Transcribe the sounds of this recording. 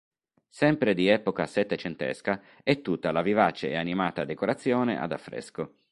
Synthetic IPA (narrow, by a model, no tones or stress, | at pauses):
sɛmpɾed̪iɛːpokasɛt̪ːet͡ʃent̪ɛ̰ska | ɛt̪ːut̪ːalavivat͡ʃeːanimaːt̪ad̪ekoɾat̪sːjɔːnḛʔa̰d̪a̰fːɾɛ̰sko